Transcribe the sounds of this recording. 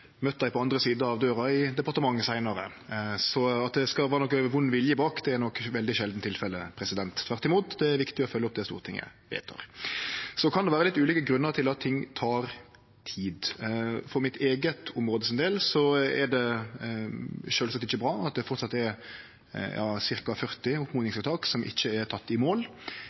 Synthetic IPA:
møt̪ːəd̪æɪpʰɔɑnd̪ɾəsiːd̪əɑʋd̪øːɾɑɪd̪ɛpɑɾt̪əmɑŋːəsæɪnɑɾə | sɔɑt̪̚d̪ɛskɑʋɑːɾnɔkːøəʋʊnːʋɪljəbɑːkd̪ɛænɔkːʋɛld̪ɪʃɛld̪n̩t̪ʰɪlfɛlːəpʰɾɛsɪd̪ɛnt̪t̪ʰːʋæʁt̪ːɪmuːt̪d̪ɛæɾʋɪkt̪ɪɔfœlːɔp̚d̪ɛst̪ṵːɾət̪ʰɪ̰ŋːjæ̰ɪʋḛɪt̪ʰɑ̰ʁ | sɔkʰɑnd̪ɛʋæːɾəlɪt̪ːʉːliːkəɡɾʉnːəɾt̪ʰɪlɑt̪ʰːɪŋːt̪ʰɑːɾ | t̪ʰiːd̪fɔɾmɪt̪ʰeːɡət̪ʊmɾoːd̪əsɪnd̪eːlsɔɛ̰ɾɖɛ | ʃøːlsɑk̚t̪ɪçːəbɾɑːɑt̪̚d̪ɛfɔɾt̪sɑt̪ːɛɾ | jɑ̰ːsɪɾkɑfœʁt̪ɪʊpmʊːd̪ɪŋsɑʋt̪ʰɑːksɔmʔɪ̰çːəɛɾt̪ʰɑt̪ːɪmoːl

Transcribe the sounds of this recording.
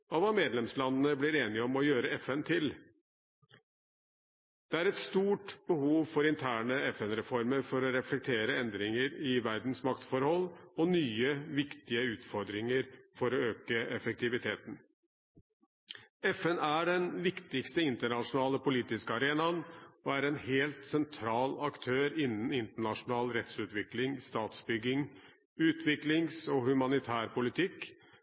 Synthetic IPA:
ɔʋɑːmeːd̪lɛmslɑnənəblɪɾeːnɪəɔmɔjøːɾəɛfɛnt̪ʰɪl | d̪̥ɛæɾɛt̪st̪uːʈbəhuːʋfɔɾɪnt̪ʰæːɳəɛfɛnɾɛfɔɾməɾfɔɾɔɾɛflɛk̚t̪ʰeːɾəɛnd̪ɾɪŋəɾɪʋæɾd̪n̩smɑkt̪fɔɾhɔlːɔnyːəʋɪkt̪ɪəʉːt̪fɔɾd̪ɾɪŋəɾfɔɾɔøːkəɛfək̚t̪ɪʋɪt̪ʰeːt̪n | ɛfɛnæɖɛnʋɪkt̪ɪkst̪əɪnt̪əɳɑʂʊnɑːləpʊliːt̪ɪskəɑɾeːnɑnɔæɾɛnheːlt̪sɛnt̪ʰɾɑːlɑkt̪ʰøːɾɪnːənɪnt̪əɳɑʂʊnɑːlɾɛt̪sʉːt̪ʋɪklɪŋst̪ɑːt̪sbʏɡɪŋ | ʉːt̪ʰʋɪklɪŋsɔhʉmɑnɪt̪ʰæːɾpʊlɪt̪ʰɪkː

